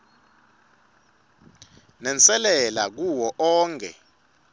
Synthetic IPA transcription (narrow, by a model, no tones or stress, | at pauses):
nɛnt͡sʼɛlɛlak̬uwɔʔɔːŋkʰʼɛ̰